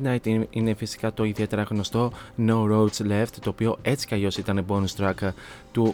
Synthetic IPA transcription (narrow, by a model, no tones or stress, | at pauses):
nɐjt̪ine̞fisi̥kɐt̪o̞iðie̞t̪e̞ɾɐɣno̞st̪o̞nouɾowsle̞ft̪t̪ːo̞ːpio̞e̞t͡si̥ceɐʎo̞sit̪ɐnebonust̪ɾɐkt̪u